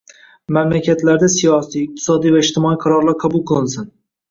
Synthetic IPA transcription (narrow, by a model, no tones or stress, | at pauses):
mamlakʲʰat̪laɾd̪asijɒsijɪq̚t̪ʰɪ̥sɒd̪ijvaɪd͡ʒt̪ʰɪmɒiqʰɑɾɒɾlˠaɾqʰɑbʊlˠqʰɨlˠɪnsɪn